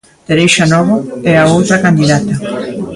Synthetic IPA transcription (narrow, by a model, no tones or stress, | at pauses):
d̪̥eɾejʃanɔβoɛɾaowt̪ɾɐkand̪iðat̪ɐ